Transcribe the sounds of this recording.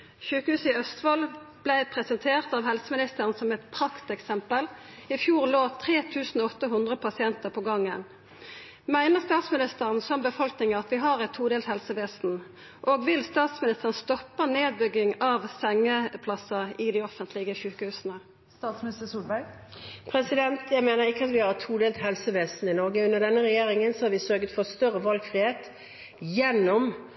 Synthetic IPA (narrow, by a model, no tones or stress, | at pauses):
çʉːkəhʉːsɪœst̪ʋɑlb̥læɪpʰʁɛsɛnt̪ʰeːʁt̪ɑʋhɛlsəmɪnɪst̪əʁənsɔmɛt̪pʰʁɑkt̪ɛksɛmpəl | ɪfjuːʁloːt̪ʰʁeːt̪ʰʉːsn̩ɔɔt̪ːəɦʊnd̪ʁəpʰɑsɪɛnt̪əʁpʰɔɡɑŋːən | mæɪnəʁst̪ɑːt̪smɪnɪst̪əʁənsɔmbəfɔlknɪŋɑt̪ʋɪɦɑʁɛt̪ʰːuːd̪ɛːlshɛlsəʋeːsn̩ | ʔoːɡʋɪlst̪ɑːt̪smɪnɪst̪əʁənst̪ɔpːəneːd̪̚bʏɡːɪŋɑʋsɛŋːəpʰlɑsəɪd̪ɪɔfənt̪lɪɡəʃʉːkəhʉːsənə | st̪ɑːt̪smnɪst̪əsuːlbæɪ | pʰɾɛsɪd̪ɛnt̪jæɪmeːnəɾɪkːəɑt̪ʋɪhɑɾɛt̪ʰːuːd̪eːlt̪ɦɛlsəʋeːsnɪnɔɾɡəʉnəʁd̪ɛnːəʁɛjeːɾɪŋənsɔhɑɾʋɪsœɾɡət̪fɔst̪œɾəʋɑlɡfɾɪheːt̪ | jɛnːɔm